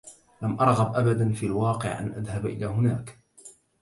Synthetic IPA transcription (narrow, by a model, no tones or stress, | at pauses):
lamʔɑɾˤɣɑbʔabad̪anfiːlwɑːqɨ̰ʕʔa̰nʔaðhabʔɪ̰laːɦʊnaːk